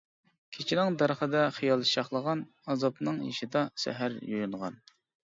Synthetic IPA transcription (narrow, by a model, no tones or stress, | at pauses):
kʲʰet͡ʃʰinɪŋd̪æɾχəd̪ɛχijɑlˠʃɑχlˠəʁɑn | ɑzɑpnɨŋḭʃid̪ɑsæ̰ɦæɾjojunʁɑ̰n